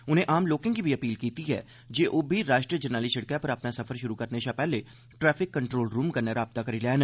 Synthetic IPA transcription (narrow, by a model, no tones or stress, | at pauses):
ʊn̤ɦẽʔaːmloːkɪ̃ŋkibʱiɐpiːlkiːt̪iɦɛ̰ː | d͡ʒeːʔoːbʱiɾaːʃʈɾiəd͡ʒənaːlisɐɽkjapɐɾɐpnasɐfʰəɾʃʊɾukɐɾneʃapɛːle | ʈɾɛːfʰɪkːə̃ɳʈɾoːlɾũːmkɐɾnaɾaːbt̪akɐɾilɛːn